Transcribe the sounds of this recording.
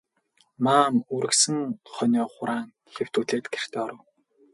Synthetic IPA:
maːmuɾɘ̆ksɘ̆ŋχœnʲɔːχʊɾaːŋ | xew̥t̪uːɮeːt̪ɡer̥t̪ʰeːɔɾə̆w

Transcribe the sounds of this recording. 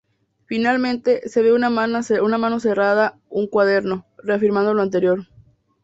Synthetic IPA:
finalmẽ̞nt̪e̞se̞βe̞unamanaseunamãno̞se̞raða | uŋkwaðe̞ɾno̞re̞afiɾmãnd̪o̞loant̪̬e̞ɾjo̞ɾ

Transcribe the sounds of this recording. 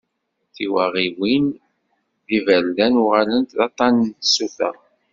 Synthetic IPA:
θiwæʁiwin | ðivælːænʊʁalənt̪ðɑt̪ˤːɑnənt̪sufə̰ʁ

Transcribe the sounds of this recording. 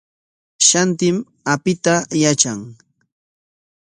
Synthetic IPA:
ʃant̪ɪm | apɪt̪ajat͡ʃaŋ

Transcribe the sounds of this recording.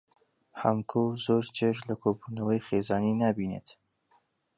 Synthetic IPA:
ha̰mkʰozoːɾd͡ʒeʃlɐkʰoːbuːnɐwəjxeːzaːninaːbiːnḛt̪

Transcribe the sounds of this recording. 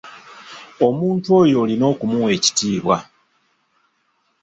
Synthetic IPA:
o̞muːntuo̞ːjo̞ːlino̞ːkumuwe̞ci̥tiːβwa̰

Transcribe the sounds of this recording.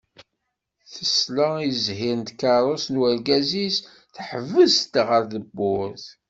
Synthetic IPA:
θəsləizɦiɾnt̪kɑɾˤosnwæɾɡæzis | θəħəvəzt̪ʁəɾðəbːʊɾθ

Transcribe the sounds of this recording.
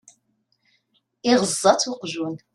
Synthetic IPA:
iʁəzˤːɑt͡suqʒun

